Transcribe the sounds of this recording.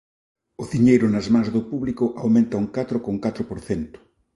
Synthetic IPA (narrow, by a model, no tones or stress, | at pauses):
ʊðiɲejɾʊnɐzmãŋzðʊpuβlikʊʔawmẽnt̪ɐuŋkat̪ɾʊkoŋkat̪ɾʊpoɾθent̪ʊ̥